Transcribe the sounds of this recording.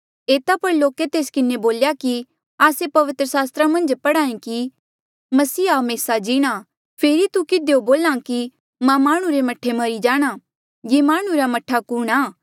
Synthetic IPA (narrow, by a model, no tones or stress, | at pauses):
eːt̪apɐɾloːket̪eːskɪneboːljaki | aːsepɐʋɪt̪ɾəsaːst̪ɾamɐ̃nd͡ʒpɐɽaːĩki | mɐsiːaɦɐmeːsad͡ʒiːɽ̃a | pʰeːɾit̪ukɪd̪eoboːlãki | mɛ̃maːɽ̃ũɾemɐʈʰːemɐɾid͡ʒaːɽ̃a | jeːmaːɽ̃uɾamɐʈʰakuːɽ̃aː